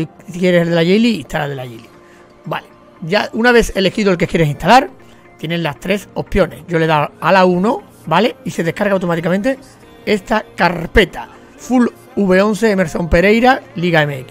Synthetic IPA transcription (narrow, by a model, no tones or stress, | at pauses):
kje̞ɾeselðeaʝejliist̪alalðelaʝeli | ba̰le | ʝaunaβ̞e̞θe̞le̞xiðolk̬e̞kjeɾe̞sĩnt̪alaɾ | t̪je̞nelast̪ɾe̞so̞pjo̞ne̞ɟ͡ʝo̞le̞ðaalauno | bale̞ise̞ðe̞hkaɾɣawt̪o̞mat̪ikamẽnt̪e̞ | e̞st̪akaɾpe̞t̪a | ful | uβe̞o̞nθe̞ːme̞ɾsõ̞mpe̞ɾe̞jɾaliɣae̞meeki